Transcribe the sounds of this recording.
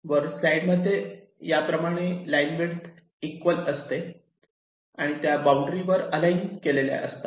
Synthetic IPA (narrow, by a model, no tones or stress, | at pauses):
ʋəɾslaiɖməd̪ʱːje | japɾəmaɽ̃elajnʋeɽt̪ | ikʋələst̪e | aɽ̃it̪jabawɳɖɾiʋəɾəlainkelelja̰ʔə̰st̪a